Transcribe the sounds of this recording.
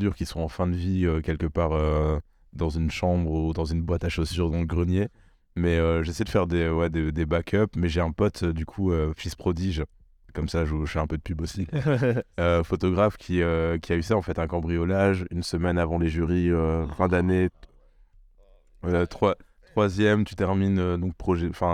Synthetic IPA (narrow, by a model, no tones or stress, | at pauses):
d̪yʁkʲiswɔ̃ɑ̃fɛ̃d̪əviøkʲɛlkəpaʁø | d̪ɑ̃zynʃɑ̃bʁud̪ɑ̃zynbwat̪aʃosyʁd̪ɑ̃ləɡʁənje | mɛøʒesɛjd̪əfɛʁd̪ewɛd̪ed̪ebakʲʰœpmɛʒeɛ̃pɔt̪ʰød̪ykʰuøfispχɔd̪iʒ | kɔmsaʒuʒfɛɛ̃pød̪əpybosi | øfɔt̪ɔɡʁafkʲʰiøkʲiaysaɑ̃fɛt̪ɛ̃kɑ̃bʁijɔlaʒynsəmɛnavɑ̃leʒyʁiøfɛ̃d̪ane | øt̪χwa | t̪χwazjɛmt̪y̥t̪ɛʁminød̪ɔ̃k̚pχɔʒɛɑ̃fɛ̃